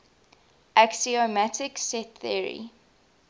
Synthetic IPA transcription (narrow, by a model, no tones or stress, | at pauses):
ʔaksiomætʰɪksɛt̪θiəɹḭ